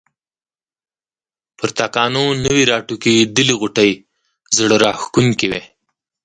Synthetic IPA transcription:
pəɾt̪ɑkɑnonəwiɾɑʈukid̪əliɣʊʈəj | zɽəɾɑxkuŋkewḛ

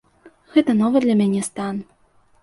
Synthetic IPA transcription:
ɣɛt̪ɐnɔvɨd̪lʲɐmʲanʲɛst̪an

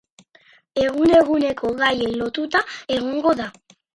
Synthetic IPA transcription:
e̞ɣ̞une̞ɣ̞une̞kʰoɣajelo̞t̪ut̪ae̞ɣ̞oŋɡo̞ða

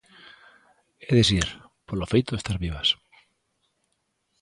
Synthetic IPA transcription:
eðesiɾpolofejt̪oest̪aɾβiβas

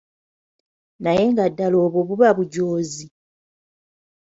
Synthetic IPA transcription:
naje̞ŋɡadːalo̞ːβoβuβaβuɟoːzi

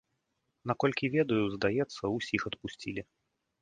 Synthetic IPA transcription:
nakɔlʲkʲivʲɛd̪ɐjuzd̪ajɛt̪sːɐusʲixɐt̪pusʲt͡sʲilʲi

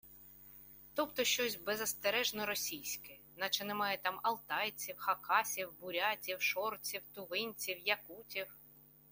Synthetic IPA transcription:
t̪ɔpt̪ɔʃt͡ʃɔsʲbɛzɐst̪eɾɛʒnɔɾɔsʲijsʲkɛ | nɐt͡ʃɛnɛmɑjɛt̪ɑmɐlˠt̪ɑjt͡sʲiwxɐkʰɑsʲiwbʊɾʲatʲiwʃɔrt͡sʲiwt̪ʊʋɪnʲt͡sʲiwjɐkutʲiw

